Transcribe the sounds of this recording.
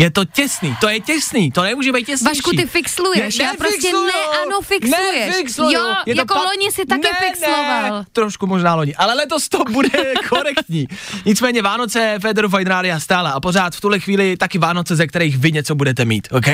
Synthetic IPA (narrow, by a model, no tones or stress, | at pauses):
jɛt̪o̞cɛsniːt̪o̞jɛcɛsniːt̪o̞nɛmuːʒɛbɛjt̪̚cɛsaʃkuit̪ɪfɪkslujɛɛʃpɾoɪkɛluanofɪksnɛujɛʃfɪkslojjɛj̪oloɲɪsɪt̪ankɪɛfɪksnlovalt̪ɾoʃkumoʒnaːlo̞ɲɪʔalɛlɛt̪o̞st̪obudɛkʰoɾɛkt̪ɲiːɲɪt͡smɛːɲɛvaːno̞t͡sɛfɛdɛɾufajd̪ɾaːdɪast̪aːlaapo̞ɾaːt̪ft̪uɦlɛxviːlɪt̪akɪvaːno̞t͡sɛzɛk̚t̪ɛɾɛjxvɪɲɛt͡so̞budɛt̪ɛmḭːt̪okɛ